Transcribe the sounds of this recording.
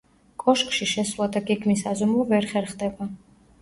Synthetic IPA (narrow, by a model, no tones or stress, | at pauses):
kʼɔʃkʼʃiʃɛswlˠad̪aɡɛɡmisazɔmlɔvɛɾχɛɾχd̪ɛba